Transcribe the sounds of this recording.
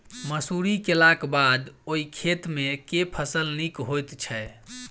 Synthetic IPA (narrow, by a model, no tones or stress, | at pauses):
məsuɾikelakbad̪oikʰet̪mekepʰəsəlnikɦojt̪t͡ʃʰə